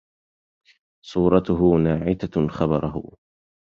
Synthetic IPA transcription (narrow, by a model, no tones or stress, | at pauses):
sˤuːɾˤɑt̪ʊɦʊnaːʕɪt̪axɑbɑɾˤɑɦʊ̰